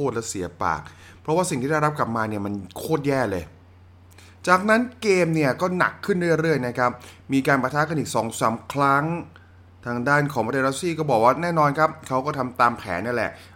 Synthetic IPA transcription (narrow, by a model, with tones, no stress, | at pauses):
oː˥˩t̪̚lɛ˦˥si˩˦ɐpa̰ː˨˩k̚ | pʰɾɔ˦waː˥˩si˨ŋʰiː˥˩a˥˩ɾa˦˥p̚kla˨˩p̚maː˧ni˥˩ɐma˧nkʰoː˥˩t̪̚jɛː˥˩lɤː˧j | t͡ɕaː˨˩k̚na˦˥nkeː˧mni˥˩ɐkɔː˥˩na̰˨˩kʰːɯ˥˩nɾɯ˥˩jɾɯ˥˩əjna˦˥kʰa˦˥p̚ | miː˧kaː˧npɾa˧t̪ʰaː˦˥ka˧nʔiː˨˩k̚sɔː˩˦ŋsaː˩˦mkʰɾa˦˥ŋ | t̪ʰaː˧ŋdaː˥˩nkʰɔː˩˦mpa˧eː˧ɾa˦˥siː˥˩kɔː˥˩bɔː˨˩k̚waː˥˩nɛː˥˩nɔː˧nkʰa˦˥p̚kʰa˦˥wkɔː˥˩t̪ʰa˧mt̪aː˧mpʰɛ̰ː˩˦nːa˥˩˨lɛ̰˨˩ʔ